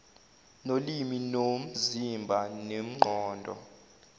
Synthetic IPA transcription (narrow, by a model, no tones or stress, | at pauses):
noliminom̩zimbʱanem̩ŋ͡ǃɔːndʱɔ̰